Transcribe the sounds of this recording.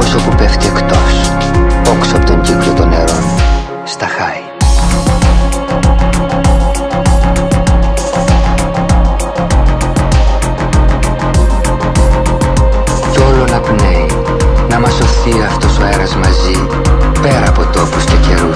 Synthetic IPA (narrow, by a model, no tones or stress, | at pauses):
osopupeft̪iekt̪o̞s | o̞ksoɐpot̪o̞ɲɟipjot̪o̞ne̞ɾon | st̪ɐxɐi | co̞lo̞nɐpnei | nɐmɐso̞θiɐft̪o̞so̞eɾɐzmɐzi | pe̞ɾɐːpo̞t̪o̞post̪oceɾu